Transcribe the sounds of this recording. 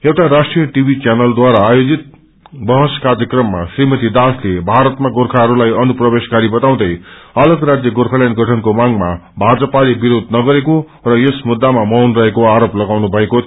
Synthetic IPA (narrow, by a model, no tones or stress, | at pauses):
ewʈaɾasʈrijʌʈibʱit͡sjanʌld̪waɾaːjod͡zit̪̚ | bʌɦʌskarjʌkrʌmːa̰srimʌt̪id̪aslebʱaɾʌt̪maɡorkʰaɦʌɾulajʌnuprʌbeskaɾibʌt̪aw̃d̪ʌjʌlʌɡrad͡zjʌɡorkʰaljanɡʱʌʈʰʌnkomaŋmabʱad͡zʌpalibiɾod̪ʱnʌɡʌɾeko | rʌjesmud̪ːamamʌwnrʌɦekoaɾoplʌɡawnubʱʌeko